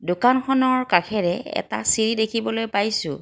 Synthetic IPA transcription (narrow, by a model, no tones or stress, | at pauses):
dokanxɔnɔɹkakʰɛɹɛɛ̰ta̰siɹidekʰibɔlojpajsʊ̰̃